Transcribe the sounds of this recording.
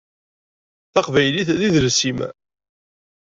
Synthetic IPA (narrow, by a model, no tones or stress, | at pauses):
θɑqvæjliθðiðəlsimæ̰